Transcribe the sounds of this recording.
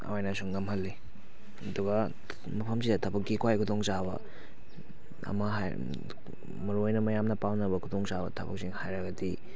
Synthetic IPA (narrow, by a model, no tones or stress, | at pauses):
ɐ̰wajnasuŋːɐmhɐlːi | ɐduɡɐ | mɐpʰɐmsidɐtʰɐbɐk̚ɡikwajkʰutoŋsabɐ̰ | ɐ̰mɐɦa̰j | mɐɾojnɐmɐjamnɐpawnɐbɐkʰutoŋsabɐ̰tʰɐbɐ̰k̚siŋhajɾɐɡɐdi